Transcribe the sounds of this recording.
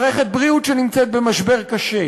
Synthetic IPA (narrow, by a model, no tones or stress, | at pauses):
ʁeχet̪̚bʁiutʃenimt͡set̪̚bemaʃbe̞ʁkaʃe